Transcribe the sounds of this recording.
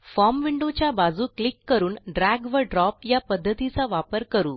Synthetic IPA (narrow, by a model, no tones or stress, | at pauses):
fɔmʋiɳɖot͡ɕjabad͡zuːklikːəɾuːnɖɾæɡʋəɖɾɔp̚japəd̪ʱːət̪it͡saʋapəɾkəɾṵː